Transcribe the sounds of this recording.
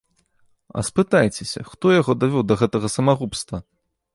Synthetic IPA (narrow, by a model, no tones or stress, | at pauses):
ɐ̰spɨt̪ajt͡sʲesʲɐ̰xt̪ɔjaɣɔd̪avʲɔwd̪ɐɣɛt̪ɐɣɐsɐmaɣupst̪vɐ